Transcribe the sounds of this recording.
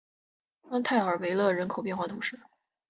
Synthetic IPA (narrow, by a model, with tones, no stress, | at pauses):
ɑ˥ŋt̪ʰa˥˩ɪə˞˧˥we˧˥ɪlɤ˥˩ɻə˧˥nkʰo˨ʊpjɛ˥˧nxwa˥˩t̪ʰu˧˥ŋʂɻ̩˥˩